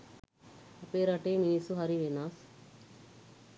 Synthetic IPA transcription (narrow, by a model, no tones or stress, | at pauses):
ɐpeːɾaʈeːminisuɦaɾiʋenaːs